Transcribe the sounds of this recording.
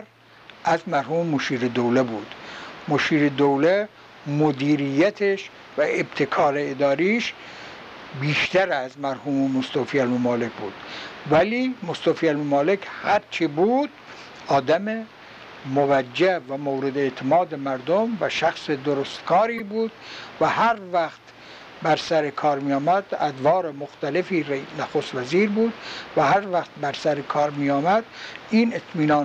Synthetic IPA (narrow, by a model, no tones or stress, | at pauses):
ɾ | ʔæzmæɾɦuːmemoʃiːɾed̪owlebuːd̪̥moʃiːɾed̪owle | mod̪iːɾijæt̪ʰeʃ | væeb̚t̪ʰekʰɒːɾeed̪ɒːɾiːʃ | biːʃt̪ʰæɾæzmæɾhuːmemost̪oːfiːælmomɑːle̞kʰʲbuːd̪̥væliːmost̪oːfiːælmomɑːlekʰhæɾt͡ʃʰibuːd̪̥ | ʔɒːd̪æme | movæd͡ʒːævæmowɾed̪eet̪ʰemɒːd̪emæɾd̪omvæʃæxsed̪oɾost̪kʰɒːɾiːbuːd̪̥væhæɾvæxt̪ | bæɾsæɾekʰɒːɾmijɒːmæd̪æd̪vɑːɾemoxt̪ælefiːɾnæxoːst̪væziːɾbuːd̪væhæɾvæxt̪̚bæɾsæɾekʰɒːɾmiːɒːmæd̪̥iːnet̪ʰmiːnɒːn